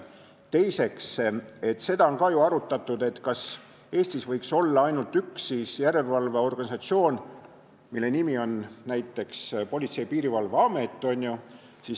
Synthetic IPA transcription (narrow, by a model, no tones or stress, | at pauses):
t̪e̞jse̞kse̞t̪ːˑse̞d̪̥ɑo̞nkɑjuɑɾut̪ːˑɑt̪ːˑud̪̥e̞t̪ːkɑs | e̞ːst̪isvɤjkso̞lːɑɑjnult̪yksːiːsjæɾe̞lvɑlveo̞rɡ̥ɑnʲisɑt̪sio̞ːn | milːe̞nimio̞nnæjt̪ːˑe̞kspo̞lʲit̪se̞jpiːɾivɑlvɑme̞t̪ˑːo̞nʲju | siːs